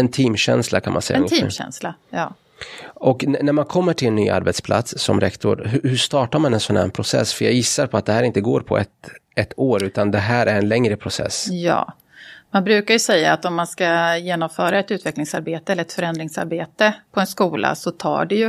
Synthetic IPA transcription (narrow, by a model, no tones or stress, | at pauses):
ɛnt̪ʰiːmɕɛ̰nslakʰanmansɛjːɛiːmɕɛ̰nslajɑː | ʔɔknnæɾmankʰɔmːəʈʰɪlɛnːy̰ːʔa̰ɾbɛt̪spʰla̰t̪sːɔ̰mɾɛ̰kt̪ʊɾɦɵhɵʂt̪ɑːʈaɾmanɛnsɔnhæ̰ːɳpʰɾʊsɛ̰sfœjajɪsːaɾpʰɔat̪̚d̪ɛhæːɾɪnt̪əɡo̰ːɾpʰɔ̰ɛt̪ɛt̪ʰːoːɾʉ̟ːt̪and̪ɛɦæːɾʔæɾɛnlɛŋɾəpʰɾʊsɛ̰sːjɑ̰ː | manbɾʉ̟ːkaɾjɵsɛjːaːt̪ɔmːanskajeːnɔmfœːɾaɛt̪ʉ̟ːt̪vɛklɪŋsaɾbeːt̪əɛlːəɾɛt̪fœɾɛnd̪ɾɪŋsa̰ɾbeːt̪əpʰɔɛnskuːlʔa̰sɔt̪ʰɑ̰ːɖɛjɵ